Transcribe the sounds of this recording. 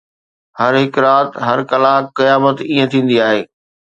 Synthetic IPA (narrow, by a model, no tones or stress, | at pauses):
hɐɾɦɪkɾaːt̪ɦɐɾkɐlakːɐjaːmət̪iːə̃t̪ʰĩːn̆d̪iaːɦeː